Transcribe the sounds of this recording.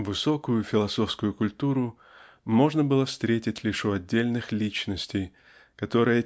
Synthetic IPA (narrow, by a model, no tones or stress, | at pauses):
vɨso̞kʊjʊfʲɪlˠɐso̞fskʊjʊkʊlʲt̪uɾʊ | mo̞ʐnəbɨlˠəfst̪ɾʲetʲɪtʲlʲiʂɔɐdʲːelʲnɨxlʲit͡ɕnəsʲtʲɪj | kɐt̪o̞ɾɨjə